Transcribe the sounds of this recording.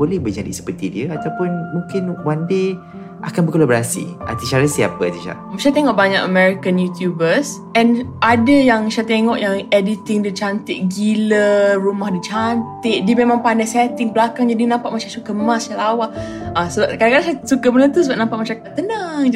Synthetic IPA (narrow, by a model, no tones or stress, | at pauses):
bolɛhbəd͡ʒadḭsə̥pərt̪idiəat̪awpʊnmũŋkɪnwande | ʔa̰kanbəkolabɾasḭa̰t̪iʃaɾəsia̰pət̪iʃa̰ʔʃat̪eŋɔʔbaɲakəmɛɾikanjut̪jubəs | ɛnadəjaŋʃat̪eŋɔʔjaŋɛdit̪ɪŋdət͡ʃant̪ɪʔ̚ɡilərumahdit͡ʃant̪ɪʔdiəmemãŋpandajsɛt̪ɪŋbəlakaŋd͡ʒadinãmpaʔmat͡ʃãsukəmasalawahasəbap̚kadakadaʃasukəmənət̪usəbap̚nãmpaʔmaʃaɾakat̪ːənaŋ